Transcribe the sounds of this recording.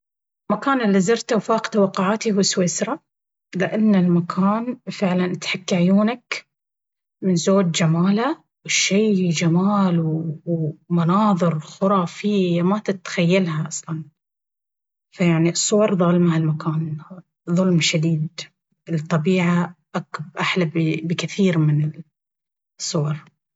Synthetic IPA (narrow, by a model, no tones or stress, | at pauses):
ɪlmakaːnɪlːizɑɾt̪awfaːqt̪awɑqːʊʕaːt̪ihuwsweːsɾˤɑ | lɪʔanːalmakʰaːnfɪʕlanʔat̪ħakːaʕjuːnak | mɪnzoːd͡ʒd͡ʒamaːla | wɪʃːiːd͡ʒamaːlw | manɑːðˤɨɾxʊɾˤɑːfɪjamat̪ɪt̪xajːalhaʔɑsˤlɑn | fajaʕnisˤːʊwɑɾˤðˤʊlmhalmakaːn | ðˤʊlmʃad̪iːd̪ | ɪlt̪ˤːɑbiːʕaʔakbʔaħlabbbɪkɪθiːɾmɪnɪl | sˤːʊwɑɾˤ